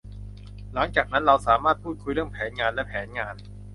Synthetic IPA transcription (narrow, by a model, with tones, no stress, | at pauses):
la˩˦ŋt͡ɕaː˨˩k̚na˦˥nɾa˧wsaː˩˦maː˥˩t̪̚pʰuː˥˩t̪̚kʰu˧jɾɯ˥˩əŋpʰɛː˩˦nŋaː˧nlɛ˦˥pʰɛː˩˦nŋaː˧n